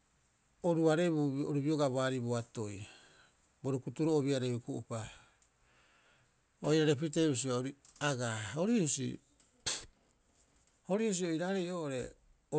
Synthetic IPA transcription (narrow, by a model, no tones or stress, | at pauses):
oɾuaɾe̞βuo̰ɾubio̞ɡaβaɾiboato̞j | boɾukutuɾooβiaɾebukuʔupa | ojɾaɾe̞piteβis̬iooɾiaɡahoɾiusḭ | ho̞ɾius̬io̞iɾaɾejoːʔoɾe̞